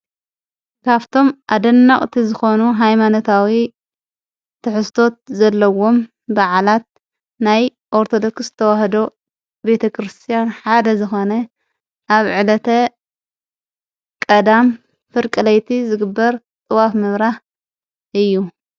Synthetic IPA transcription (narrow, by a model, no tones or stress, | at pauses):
kʰaβt̪ʰo̞mʔad̪ɐnːɐχʼt̪ʰizɨxo̞nuɦajmanot̪ʰawi | t̪ʰɨħɨst̪ʰo̞t̪̚zɐlːɐwo̞m | baʕalat̪̚ | naj | ʔoɾt̪ʰo̞d̪o̞ksɨt̪ʰɐwahd̪o̞ | be̞t̪ʰɐkʰɾɨst̪ʰijanħad̪ɐzɨxo̞nɐ | ʔaβʕɨlɐt̪ʰɐ | kʼɐd̪am | fɨɾkʼɨlɐjt̪ʰizɨɡɨbːɐɾ | t̪ʼɨwafmɨβɾaħ | ʔɨjːu